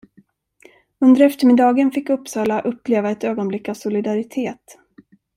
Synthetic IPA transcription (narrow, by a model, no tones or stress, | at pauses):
ɵnd̪əɾɛft̪əɾmɪd̪ɑːɡənfɪkːɵpːsɑːlaʔɵpːleːvaɛt̪øːɡɔnblɪkːavsʊlɪd̪aɾɪt̪ʰeːt̪